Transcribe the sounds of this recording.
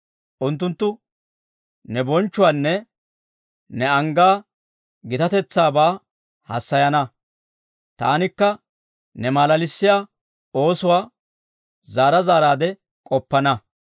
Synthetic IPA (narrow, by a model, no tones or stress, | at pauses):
ʔʊnt̪ːʊnt̪ːʊ | nɛbɔnt͡ʃːʊwaːnːɛ | nɛɐŋɡaː | ɡɪt̪ɐt̪ɛt͡sːaːbaː | hɐ̰sːɐjɐnɐ | t̪a̰ːnɪkːɐ | nɛmaːlɐlɪsːɪjaː | o̞ːsʊwaː | zaːɾɐzaːɾaːd̪ɛ | kʼɔpːɐnɐ